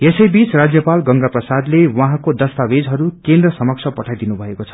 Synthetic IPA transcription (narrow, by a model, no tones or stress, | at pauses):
esʌjbit͡srad͡zjʌpalɡʌŋɡaprʌsad̪lewʌɦãkod̪ʌst̪abed͡zɦʌɾukend̪rʌsʌmʌksʰʌpʌʈʰajd̪inubʱʌekot͡sʰʌ̥